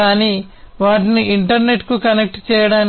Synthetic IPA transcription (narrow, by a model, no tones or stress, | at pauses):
aːniː | ʋaːʈiniʔiɳʈɐɾne̞ʈkukɐnek̚ʈt͡ʃɛːjɐɽaːn